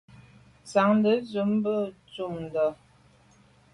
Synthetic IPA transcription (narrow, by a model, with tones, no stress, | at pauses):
sa˨˦ŋdə˨˦zə˨˦mbə˦˨t͡su˨˦˨mdə˨